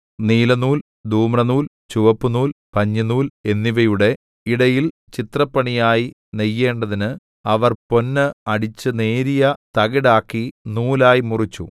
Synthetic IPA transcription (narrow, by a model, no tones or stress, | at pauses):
niːlɐnuːl | d̪ʱuːmrɐnuːl | t͡ɕuʋɐpːunuːlpɐɲːɐnuːle̞nːiʋɐjuɽe̞ | iɽɐjil | t͡ɕit̪rɐpːɐɳijaːji | nejːe̞ːɳɖɐðinɨ | ɐʋɐrpo̞nːɨɐɽit͡ɕːɨne̞ːɾijɐt̪ɐɣiɽaːkːinuːlaːjimurit͡ɕːṵ